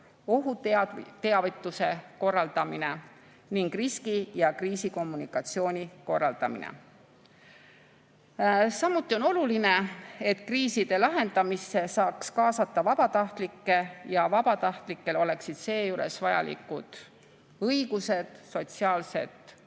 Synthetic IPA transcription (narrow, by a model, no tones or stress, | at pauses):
o̞ɦut̪t̪eɑvit̪ːˑuse̞ko̞rːɑld̪̥ɑmine̞ | niŋɡ̥riskijɑkriːsiko̞mːunikːˑɑt̪sio̞ːnʲiko̞rːɑ̰ld̪̥ɑ̰mḭnḛ | sɑmːut̪ːˑio̞no̞luline̞e̞t̪kriːsid̪̥e̞lɑɦe̞nd̪̥ɑmise̞sɑːkskɑːsɑt̪ːˑɑvɑb̥ɑt̪ɑht̪likːe̞jɑvɑb̥ɑt̪ɑht̪likːe̞lo̞le̞ksid̪̥se̞ːjuɾe̞̰svɑjɑ̰lḭkːud̪̥ | ɤjiɡ̥use̞d̪̥so̞t̪siɑːlse̞̰d̪̥